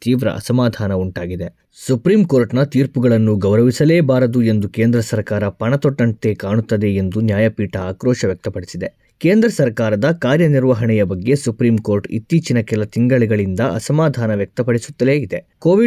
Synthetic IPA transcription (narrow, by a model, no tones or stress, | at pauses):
t̪iːʋɾɐ̰ʔɐ̰sɐmaːd̪ʱaːnɐuɳʈaːɡid̪e | supɾiːmko̞ːɾʈnɐt̪iːɾpuɡɐɭɐnːuɡɐʋwɾɐʋisɐleːbaːɾɐd̪ue̞nd̪ukeːnd̪ɾɐsɐɾkaːɾɐpɐɳɐt̪ɔʈːɐɳt̪ekaːɳut̪ːɐd̪e̞end̪unjaːjɐpiːʈɐaːkɾɔːʃɐʋjɐk̚t̪ɐpɐɽisid̪e | keːnd̪ɾɐsɐɾkaːɾɐd̪ɐkaːɾjɐniɾʋɐɦɐɳɛjɐbɐɡːe̞supɾiːmko̞ːɾʈḭt̪ːiːt͡ʃinɐkɛlɐt̪iŋɡɐɭɛɡɐɭind̪ɐʔɐ̰sɐmaːd̪ʱaːnɐʋjɐk̚t̪ɐpɐɽisu̥t̪ːɐle̞ːid̪ekoːʋi